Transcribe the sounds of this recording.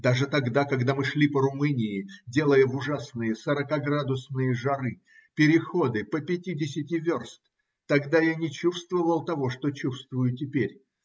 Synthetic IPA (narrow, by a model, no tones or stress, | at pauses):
d̪aʐɨt̪ɐɡd̪akɐɡd̪amɨʂlʲipəɾʊmɨnʲɪɪdʲe̞lˠəjəvʊʐasnɨjəsəɾəkaɡɾad̪ʊsnɨjəʐɐɾɨ | pʲɪɾʲɪxo̞d̪ɨpəpʲɪtʲidʲɪsʲɪtʲɪvʲorst̪ | t̪ɐɡd̪ajanʲɪt͡ɕufst̪vəvəlˠt̪ɐvo̞ʂt̪ot͡ɕufst̪vʊjʊtʲɪpʲeɾʲ